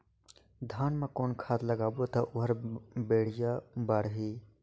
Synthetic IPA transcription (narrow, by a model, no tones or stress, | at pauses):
d̪ʱaːnmẽkoːnkʰaːt̪ləɡaːbot̪ɐʔʊɦəɾbeːɽ̤ijabaːɽɦiː